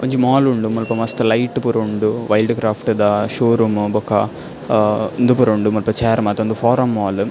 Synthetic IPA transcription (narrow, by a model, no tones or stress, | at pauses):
kɐɲd͡ʒimaːluɳɖumɐlpɐmɐst̪ɐlɐjʈːpuɾuɳɖuʋɐjlɖkɾaːfʈɨd̪aːʃoːɾumbɔkːa̰ː | nd̪upuɾɐuɳɖumɐlpɐt͡ʃeːɾmɐːt̪ɐnd̪ufaːɾɐmːaːl